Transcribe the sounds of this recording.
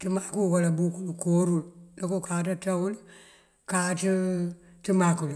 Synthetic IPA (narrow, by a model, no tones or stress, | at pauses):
timakuwalabukulukoɾullakokaːt̬atawul | kati | timakul